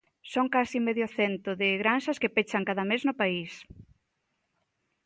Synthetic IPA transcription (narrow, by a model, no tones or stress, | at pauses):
soŋkasimeðjoθent̪ʊðɪɣɾanʃɐskepet͡ʃaŋkaðɐmeznʊpais